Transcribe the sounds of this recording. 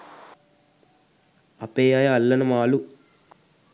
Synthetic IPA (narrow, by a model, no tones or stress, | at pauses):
ɐpeːjajɐɐlːɐnɐmaːlu